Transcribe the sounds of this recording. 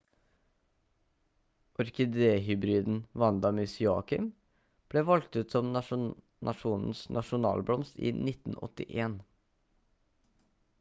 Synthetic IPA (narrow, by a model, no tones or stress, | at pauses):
ʔɔɾkɪd̪eːɦʏbɾiːd̪n̩ʋɑnd̪ɑmʏsɪɑ̰ːkɪm | b̥leːʋɔlɡ̚t̪ʉːt̪sɔm | nʔɑʂuːnn̩snʔɑʂʊnɑ̰ːlblɔmst̪ḭːnɪt̪n̩ɔ̰t̪ɪ̰ʔeːn